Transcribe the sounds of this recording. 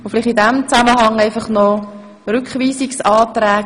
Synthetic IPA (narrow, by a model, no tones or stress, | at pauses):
ʊfliχtidɛmt͡saməɦɑŋæɪfɑχnɔ | rʏkχviːsiksɑːt̪ɾɛː